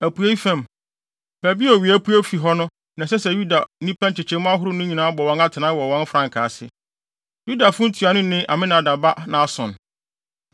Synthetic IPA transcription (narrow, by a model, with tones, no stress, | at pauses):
æ˨pu˨˦e˦i˦fɛ̃˦˨m | pʰæ˨bi˦ɔ˨ɥi˨æ˦pʰu˦æ˦fi˨ɦɔ˦nʊ̃˦ | nã˨sɛ˦sɛ˨ju˦da˨˦nĩ˦pã˦nt͡ɕɪ˨t͡ɕʰɛ̃˦mʊ̃˦a˦ɦʊ˦ɾʊ˦nʊ̃˦ɲĩ˨nãː˨˦bɔ˨wɔ̃˨˦na˦tʰɪ˨nã˦wɔ˨wɔ̃˦n˦fɾã˨ŋ˨kʰaː˨sɪ̰˦ | ju˦da˨fʊ˦ʊ̃˦n̩˦tʰu˨a˨nʊ̃˦nɪ̃˦ʔa˨mɪ̃˦nã˨da˨ba˦nã˨a˨sʊ̰̃˨n